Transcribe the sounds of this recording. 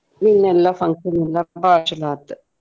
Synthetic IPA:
minːelːɐfɐŋʂɐnilːɐbaːʂɐlaːt̪ːɨ̥

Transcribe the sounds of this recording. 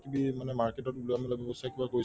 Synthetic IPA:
kibimanɛmaɹketɔt̚buloamilabɔbɔstʰakibakoɹi

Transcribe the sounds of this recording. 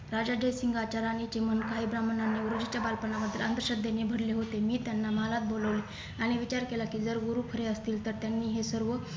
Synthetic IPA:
ɾad͡zad͡ʑəjsiŋɡʱat͡ɕaɾanit͡ɕemənkaibɾamənanːeʋɾod͡ʑat͡ɕjabalpəɳaʋəd̪ʱːilənd̪ɾəɕəd̪ʱjenebʱəɽleɦot̪emiːt̪janːamalat̪̚boləʋle | aɽ̃iʋit͡ɕaɾkelakiːd͡zəɾɡuɾukʰəɾeəst̪iːlt̪əɾt̪janːiːɦesəɾʋə

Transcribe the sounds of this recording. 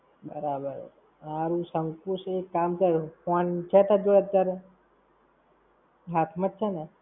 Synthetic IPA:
bə̰ɾabə̰ɾ | aɾũsəŋkuʃekːamkəɾkɔnt͡ʃʰɛt̪ad͡ʒoət̪jaɾe | ɦat̪ʰmat̪̚t͡ʃʰene

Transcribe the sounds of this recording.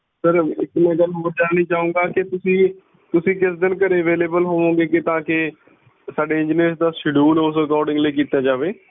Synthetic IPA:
səɾɪkmẽːɡəlɦoːɾd͡ʒaːniːt͡ʃaːũːɡaːkɪt̪ʊsĩː | t̪ʊsĩːkɪsd̪ɪnkəɾeːəʋeːleːbəlɦoːʋõːɡeːkɪt̪ãːkɪ | saːɖeːɪ̃ɲd͡ʒneːsd̪aːsɪɖuːnʊsəkɔːɾɖɪ̃ŋɡləiːkiːt̪aːd͡ʒaːʋeː

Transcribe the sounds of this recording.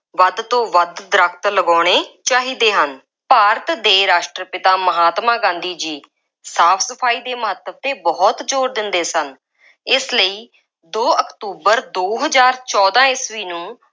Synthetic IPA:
ʋəd̪t̪õːʋəd̪d̪əɾəkʰt̪ləɡɔːɽ̃eːt͡ʃaːɦiːd̪eːɦən | paːɾət̪d̪eːɾaːʃʈɾəpɪt̪aːməɦaːt̪mãːɡãːnd̪iːd͡ʒiː | saːpʰsəpʰaːiːd̪eːməɦət̪ːət̪eːbɔːt̪d͡ʒoːɾd̪ɪnd̪eːsən | ɪsləiː | d̪oːəkt̪uːbəɾd̪oːɦəzaːɾt͡ʃɔːd̪ãːɪsʋiːnũː

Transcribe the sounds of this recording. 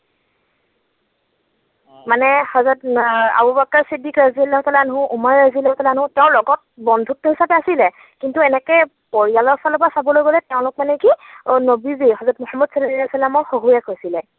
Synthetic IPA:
manɛhɔzata̰bubakːaɹsidːikɹaziɔlːaɦʊtalanɦʊ̃ʔumaɹːazilːaɦʊtalanɦʊ̃tɛʊ̃lɔɡɔt̚bɔndʱutːɔɦisapɛasilɛ | kintuɛnɛkɛ | poɹijalɔɹfʰalɔp̬asabɔlojɡɔlɛtɛʊ̃lʊkmanɛkinobizihɔzɔtmʊhamːɔdsɔdsalamɔɹxoɦujɛkɦojsilɛ

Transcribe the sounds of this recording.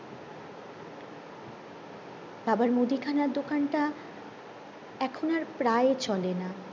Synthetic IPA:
babaɾmod̪ikʰanaɾd̪okanʈa | ɛkʰonaɾpɾaet͡ɕɔlena

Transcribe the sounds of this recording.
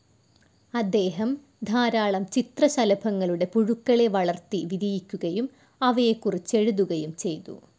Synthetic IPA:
ɐd̪ːe̞ːɦɐm | d̪ʱaːɾaːɭɐmt͡ɕit̪rɐɕɐlɐbʱɐŋːɐɭuɽe̞puɻukːɐɭe̞ʋɐɭɐrt̪iʋid̪ʱijikʲːuɣɐjum | ɐʋɐjekːurit͡ɕːe̞ɻuðuɣɐjumt͡ɕe̞jt̪ṵ

